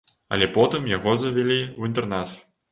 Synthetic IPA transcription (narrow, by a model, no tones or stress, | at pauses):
ɐ̰lʲɛpɔt̪ɨmjaɣɔzɐvʲɛlʲiuint̪ɛrnat̪